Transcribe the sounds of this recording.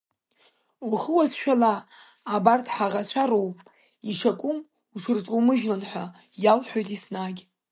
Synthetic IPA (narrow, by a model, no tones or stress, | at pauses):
uχəwasʃᶣalaː | bartʰħaʁat͡ɕʷʰaɾowpʼ | iʂakʷʼʊm | uʂɨrt͡sʷʼomɨʒlanħʷa | jalħʷᶣojtʼisnaɡʲ